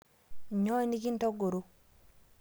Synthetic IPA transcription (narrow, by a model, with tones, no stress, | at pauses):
ɲɔ˦i˦ni˦ki˦n˦tɔ˦ɡo˨ɾu˦